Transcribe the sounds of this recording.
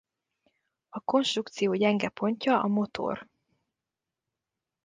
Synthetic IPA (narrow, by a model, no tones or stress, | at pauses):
ɒko̞nʃt̪rukt̪sijoːɟɛŋɡɛpʰo̞ɲcɒʔɒmo̞t̪ʰo̰r